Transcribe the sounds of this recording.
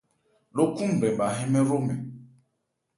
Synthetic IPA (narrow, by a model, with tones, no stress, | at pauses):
lo˦kũ˦m˨bɛ˨m˨ba˨ɦɛ̃˦mɛ̃˦ɾo˦mɛ˨